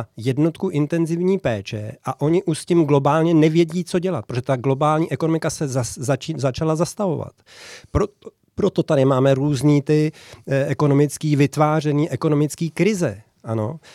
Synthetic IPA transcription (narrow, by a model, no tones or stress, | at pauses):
jɛdno̞t̪kuʔɪnt̪ɛnzɪvɲiːpɛːt͡ʃɛ̰ʔaʔo̞ɲɪʔuʃscimɡlo̞baːlɲɛnɛvjɛɟiːt͡so̞ɟɛlat̪pɾoʒɛt̪aɡlo̞baːlɲiːʔɛkono̞mɪkasɛzazat͡ʃzat͡ʃalazast̪avo̞̰va̰t̪ | pɾo | pɾo̞t̪o̞t̪adɪmaːmɛɾuːzɲiːt̪ɪɛko̞no̞mɪt͡skiːvɪt̪vaːr̝ɛniːʔɛko̞no̞mɪt͡skiːkɾɪzɛ̰ | ʔano̞̰